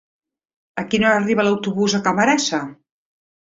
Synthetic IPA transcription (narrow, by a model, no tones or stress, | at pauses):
əkinoariβəlɐwt̪uβuzəkamaɾasa